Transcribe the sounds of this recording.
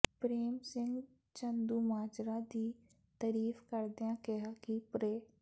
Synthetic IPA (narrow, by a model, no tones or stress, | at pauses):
pɾeːmsɪ̃ŋɡ | t͡ʃənd̪uːmaːd͡ʒɾad̪iː | t̪əɾiːfkəɾd̪eãkɪɦakipɾeː